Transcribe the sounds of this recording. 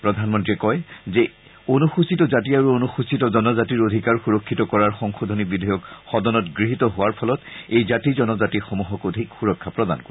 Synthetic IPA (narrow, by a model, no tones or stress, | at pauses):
pɹɔdʱanmɔntɹiɛkɔjzɛ | onuxusitɔzatiaɹuonuxusitɔzɔnɔzatiɹod̪ʱikaɹxuɹɔkʰːitɔkɔɹaɹxɔŋxodʱonibidʱɔjɔkxɔdɔnɔtɡɹiɦitɔɦʊwaɹpʰɔlɔtejzatizɔnɔzatixomuɦɔkodʱikxuɹɔkʰːapɹɔda̰nkoɹ